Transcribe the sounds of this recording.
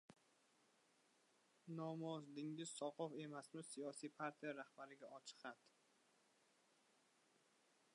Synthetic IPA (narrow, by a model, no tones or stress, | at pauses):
nɒmɒzd̪ɪŋʲɪz̥sɒqɒfe̞masmɪsijɒsijpʰaɾt̪ʰijaɾahbaɾɪɡʲaɒt͡ʃʰɨ̥qat̪